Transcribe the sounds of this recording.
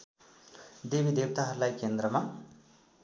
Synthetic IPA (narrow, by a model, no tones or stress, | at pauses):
d̪ebid̪eb̚t̪aɦʌɾulajkend̪ɾʌma